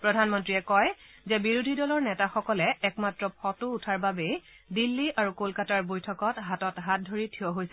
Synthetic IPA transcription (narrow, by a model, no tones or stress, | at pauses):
pɹɔdʱanmɔntɹiɛkɔj | zɛbiɹudʱidɔlɔɹnɛtaxɔkɔlɛɛkmatɹɔpʰɔtʊːtʰaɹbabej | dilːiʔaɹukolkataɹbojtʰɔkɔtɦatɔtɦat̚dʱoɹitʰiɔɦojsɛ